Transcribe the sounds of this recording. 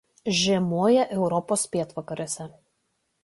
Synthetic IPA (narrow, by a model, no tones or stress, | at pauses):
ʒʲɛːmoːjɛʔɛʊɾɔpoːspʲeːt̪ʋɐkɐɾʲosʲɛ